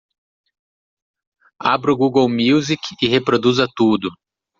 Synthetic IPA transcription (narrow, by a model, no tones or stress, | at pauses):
abɾʊɡuɡɐwmiwzikɪhepɾod̪uzɐt̪ud̪ʊ